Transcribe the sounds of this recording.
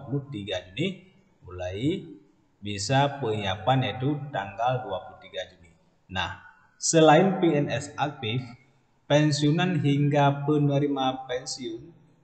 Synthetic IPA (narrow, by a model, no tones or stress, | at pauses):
pulut̪iɡad͡ʒuni | mulai | bisapəiapanit̪ut̪aŋɡalduapuluht̪iɡad͡ʒuni | na̰h | səlainpiɛnɛsak̚t̪if | pɛnsiunanɦiŋɡapənəɾimapɛnsiun